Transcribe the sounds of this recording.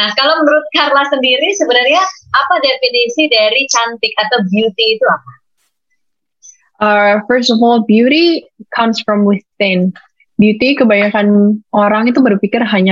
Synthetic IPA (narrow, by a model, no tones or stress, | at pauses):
nahkalomənəɾʊt̪̚karlasəndiɾisəbənarɲaapadefinisidaɾit͡ʃant̪ɪk̚at̪awbjut̪iːt̪uap̚a | ʔəfərs̬tɔfɔlbjuɾikʰʌmsfɾɔmwɪθːɪn | bjut̪ikəbajakanoɾaŋit̪ubərfikɪrɦaɲa